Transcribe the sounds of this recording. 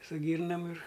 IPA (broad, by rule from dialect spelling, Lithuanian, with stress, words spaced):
sʊ ˈɡʲiːrnɐm ɪr